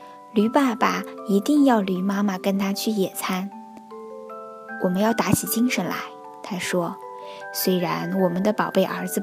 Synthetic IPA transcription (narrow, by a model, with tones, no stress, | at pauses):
ly˧˥pa˥˩ba˨˩i˧˥t̪i˥˧ŋjɑ˥˩ʊly˨˧˥ma˥ma˨kə˥nt̪ʰa˥t͡ɕʰy˥˩jɛ˨˩t͡sʰa˥n | wɔ˨˩mə˦njɑ˥˩ʊt̪a˧˥t͡ɕʰi˨˩t͡ɕi˥ŋʂə˧˥nla̰˧˥ɪ | t̪ʰa˥ʂwɔ˥ | swe˥ɪɻa˧˥nwɔ˨˩mə˦nd̪ə˧pɑ˨˩ʊpe˥˩ɪʔə̰˞˧˥d͡zɹ̩˧